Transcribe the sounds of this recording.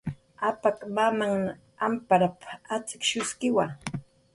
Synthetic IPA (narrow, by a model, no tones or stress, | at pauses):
apakmamaŋn | ampaɾapat͡sɪ̥kʃʊskɪwa